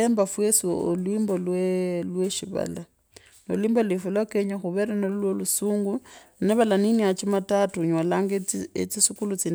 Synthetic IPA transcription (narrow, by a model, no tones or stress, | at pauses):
embafwesiolwiːmbolwelweʃiβa̰la | noliːmbolifulwakeɲaxuβeɾanollwolusuːŋɡuneβalaniniat͡ʃimatatuɲwalaŋɡet͡sisukulut͡sin